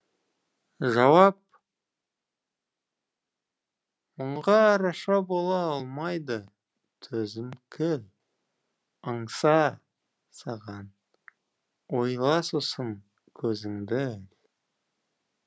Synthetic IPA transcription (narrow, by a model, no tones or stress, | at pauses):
ʒɑwɑp̚ | mʊɴʁɑɾɑʃɑbo̞lˠɑɑlˠmɑjd̪ə | t̪ʰɵzɪmkʲʰɪl | əɴsɑ | sɑʁɑn | wo̞jlˠɑsʊsən | kʲʰɵzɪŋd̪ɪæl